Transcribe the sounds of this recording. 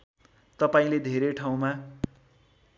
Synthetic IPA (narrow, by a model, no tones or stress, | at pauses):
t̪ʌpaĩled̪ʱeɾeʈʰaw̃ma